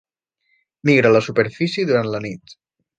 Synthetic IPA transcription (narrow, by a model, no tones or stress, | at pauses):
miɣɾələsupeɾfisiðuɾant̪lənit̪